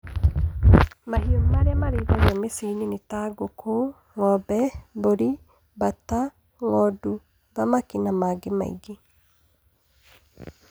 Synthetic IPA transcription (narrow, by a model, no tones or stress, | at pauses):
mahionmaɾeamaɾiðajɔmesininitaɡokʰo | ŋɔbɛboɾi | bata | ŋɔdu | bamakinamaɡema̰ḭɡi